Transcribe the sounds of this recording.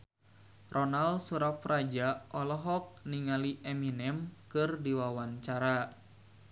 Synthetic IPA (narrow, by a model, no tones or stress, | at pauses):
rʔɔnalsuɾafrad͡ʒaʔɔlɔɦɔk̚niŋaliʔɛminɛmkɨrdiwawaɲt͡ʃaɾa